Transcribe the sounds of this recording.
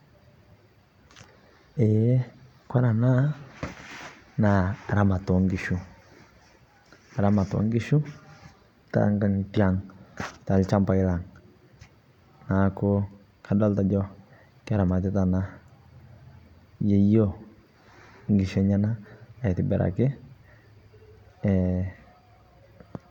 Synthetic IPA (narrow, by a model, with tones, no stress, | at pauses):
ɛ˨˦ | kwa˦ɾa˨na˦ | naː˨ɾa˨˦ma˨tɔ˨ŋɡi˨ʃu˦ | a˨ɾa˦ma˨tɔ̰˨˦ŋɡi˦ʃu˦ | ta̰˦ŋɡa˦ŋ˨tja˨ŋta˨lt͡ʃa˦mpa˨i˦la˨ŋ | na˨kʊ˦ | ka˨dɔ˦lta˨d͡ʒɔ˦ | kɾa˨ma˨tɪ˦ta˨na˦ | je˦jo˦˨ | ŋɡɪ˨ʃɛ˦ɲa˦na˦a˨tɪ˨bɛ˨ɾʔa̰˨kɪ˦ | ɛ˨